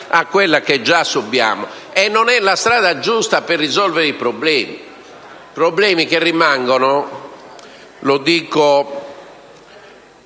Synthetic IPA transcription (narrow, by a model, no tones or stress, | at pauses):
akːwelːaked͡ʒːasːubja̰ːmɔ | ɛnːɔnɛlast̪ɾaːðad͡ʒust̪aperːizɔlveɾeipɾɔblɛːmḭ | pɾɔblɛːmikerːimaŋɡɔnɔ | lod̪iːko